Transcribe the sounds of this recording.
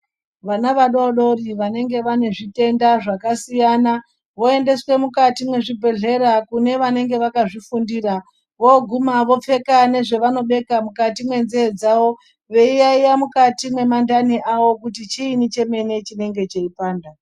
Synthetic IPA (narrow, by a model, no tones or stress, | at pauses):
ʋanaʋaɗoɗo̞riʋane̞ŋɡe̞ʋane̞ʐite̞ndaʐakasijana | ʋo̞ende̞swe̞mukatimwe̞ʐibʱe̞ɮe̞ɾakune̞ʋane̞ŋɡe̞ʋakaʐifundiːra | ʋo̞ɡʱumaʋo̞p͡fe̞kane̞ʐe̞ʋano̞ɓe̞kamukatimwe̞nzeːd͡zaʋo̞ | ʋe̞ijaijamukatimwe̞mandaniʔaʋo̞kutit͡ʃiːnit͡ʃe̞me̞ne̞t͡ʃine̞ŋɡe̞t͡ʃe̞ipaːnda